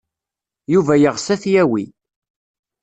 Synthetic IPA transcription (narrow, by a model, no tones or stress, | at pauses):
juvæjəʁsæθjæwi